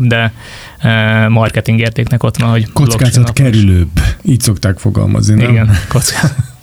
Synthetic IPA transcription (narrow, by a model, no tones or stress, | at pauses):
d̪ɛ | mɒrkɛt̪iŋɡeːrt̪eːknɛko̞t̪ʋɒnho̞ɟkoloskaːzɒt̪kɛɾyløːbːiːcso̞kt̪aːkfo̞ɡɒ̰lmɒ̰zniniɡɛnko̞t̪skaːz